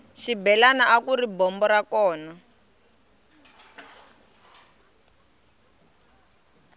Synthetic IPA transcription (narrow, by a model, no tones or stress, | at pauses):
ʃibɛlanaʔakuribɔmbɔɾakɔːna